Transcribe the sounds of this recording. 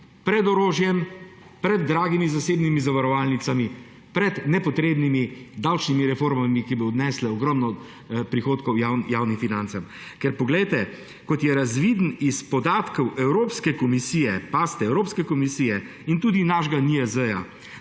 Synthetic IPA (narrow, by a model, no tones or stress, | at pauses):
pɾɛd̪ɔɾoːʒjɛm | pɾɛd̪ːɾaːɡimizaseːbnimizaʋaɾɔʋaːlnit̪sami | pɾɛd̪nɛpɔt̪ɾeːbnimid̪awt͡ʃnimiɾɛfoɾmamikiboːd̪nɛːslɛɔɡɾɔmnɔ | pɾixoːt̪kɔwjajawnifinant̪sam | kɛɾpɔɡlɛjt̪ɛ | kɔt̪jɛɾazʋiːd̪nispɔd̪aːt̪kɔwʔɛwɾoːpskɛkɔmisiːjɛpaːst̪ɛɛwɾoːpskɛkɔmisiːjɛ | int̪uːd̪inaʒɡaniɛzəja̰